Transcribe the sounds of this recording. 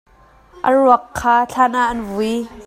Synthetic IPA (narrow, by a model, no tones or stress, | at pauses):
ʔə̰ruɐkʰːaːɬʰanaʔɐnvui